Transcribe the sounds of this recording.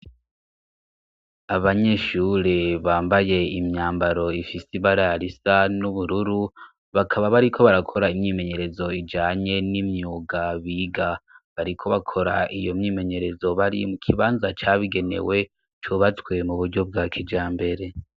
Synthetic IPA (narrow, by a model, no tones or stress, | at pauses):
aβaɲe̞ʃuːɾeβaːmbaje̞imɲaːmbaɾo̞ifisiβaɾaɾisanuβuɾuɾu | βakʰaβaβaɾikʰo̞βaɾakʰo̞ɾaimɲiːme̞ɲe̞ɾe̞zo̞id͡ʒaːɲe̞nimɲuːɡaβiːɡaβaɾikʰo̞βakʰo̞ɾa̰ʔijo̞mɲiːme̞ɲe̞ɾe̞zo̞βaɾḭmukʰiβaːnzat͡ʃaːβiɡe̞ne̞̰we̞ | t͡ʃuβat͡swe̞muβuɾɟo̞b̚ɡaːkʰid͡ʒaːmbe̞ɾe̞